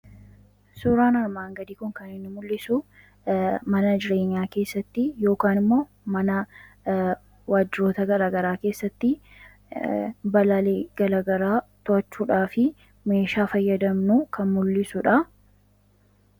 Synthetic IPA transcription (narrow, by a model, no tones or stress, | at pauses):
suːɾaːnɐɾmaːŋɡɐd̪iːkʊŋkɐnɪnːɪmʊlːɪsʊ | mɐnɐd͡ʒɪɾe̞ːɲːaːke̞ːsːɐt̪ːɪjo̞ːkaːnɪmːo̞ː | mɐnɐ | waːd͡ʒːɪɾo̞ːt̪ɐɡɐɾaːɡɐɾaːke̞ːsːɐt̪ːɪ | bɐlaːleːɡɐlaːɡɐɾaːt̪ʊɐt͡ʃːuːᶑaːfɪ | me̞ːʃaːfɐjːɐd̪ɐmnukɐnmʊlːɪsʊᶑɐ